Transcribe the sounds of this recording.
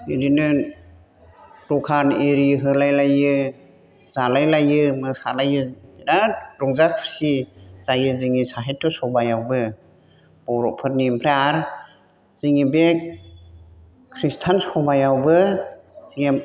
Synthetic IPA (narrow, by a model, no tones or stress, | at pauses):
iɾinɯ | ɾɔkʰaniɾiɦɯlajlajɯ | zalajlajɯmɯsalajɯiɾaɾɔŋzakʰisiz̥ajɯziŋisaɦetʰːɔsɔbajawbɯ | b̥ɔɾɔpʰɯɾnimpʰɾeaɾ | ziŋibe | kʰɾistʰansɔbajawbɯziŋa